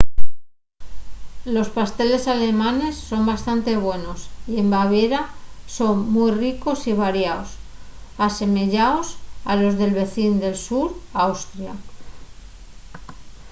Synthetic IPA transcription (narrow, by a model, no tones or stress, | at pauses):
lo̞spast̪e̞le̞sale̞mãne̞sːo̞mbast̪ant̪e̞β̞we̞no̞sie̞mbaβ̞eɾaso̞ŋmujriko̞siβ̞aɾjaosase̞me̞ʝaosalo̞zðe̞lβe̞θind̪e̞lsuɾawst̪ɾja